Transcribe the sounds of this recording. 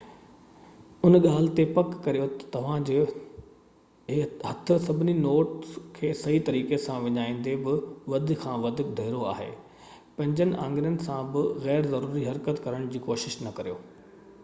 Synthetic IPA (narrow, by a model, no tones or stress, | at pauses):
ʊnɠaːl̤ɪt̪epɐkːɐɾijot̪t̪ɐʋ̤ãd͡ʑe | ɦɐt̪ʰʊ̆sɐbʱɪninoːʈskʰeːsɐɦit̪ɐɾiːkesãʋɐɲaːĩːn̆d̪ebɪʋɐd̪ʱkʰãːʋɐd̪ʱʊkd̪ʱɐɪɾoa̰ːɦḛː | pɐ̃ɦɪ̃ɲd͡ʑənɪ̆ʔãːŋɡɪɾənɪ̆sãbɪɣɛːɾzɐɾuːɾiɦɐɾkət̪kɐɾəɽ̃d͡ʑiːkoːʃɪʃnɐkɐɾijo̰ː